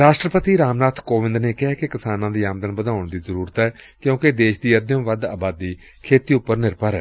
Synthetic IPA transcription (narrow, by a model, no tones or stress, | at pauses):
ɾaːʃʈɾəpət̪iːɾaːmnaːt̪ʰkoːʋɪ̃nd̪neːkɪɦɛːkekɪsaːnãːd̪iːaːmd̪ənbəd̪aːʊɳd̪iːzəɾuːɾət̪ɦɛː | kjõːked̪eːʃd̪iːəd̪jõːʋəd̪aːbaːd̪ːiː | kʰeːt̪iːʊpːəɾnɪɾpəɾɛ̰ː